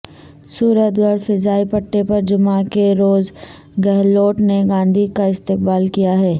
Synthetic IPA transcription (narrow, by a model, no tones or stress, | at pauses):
suːɾət̪ɡəɽfɪzaːipɐʈːepɐɾd͡ʒʊmakeɾoːz | ɡɛɦloːʈneɡãːnd̪ʱikaɪst̪ɪq̚baːlkijaɦɛː